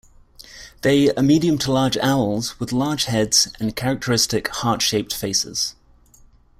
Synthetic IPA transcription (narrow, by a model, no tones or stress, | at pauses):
ðeɪəmiːɾiə̃mtʰəlɑːd͡ʒaʊəlˠzwɪðlɑ̥ːʒ̥hɛdz̥ə̃nkʰaɹɪk̚tʰəɹɪstɪkhɑˑtʃeɪp̚tfeɪsɪ̰z̥